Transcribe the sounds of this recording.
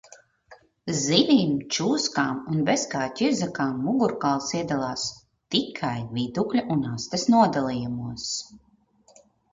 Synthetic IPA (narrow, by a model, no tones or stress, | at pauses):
zivʲiːmt͡ʃuːskaːmunbɛskaːt̪ʲiɾzakaːmːuɡuɾkalˠsiɛd̪alˠaːs | t̪ikʰajviːt̪uklʲaʔunast̪esnuɔd̪alˠijumuɔs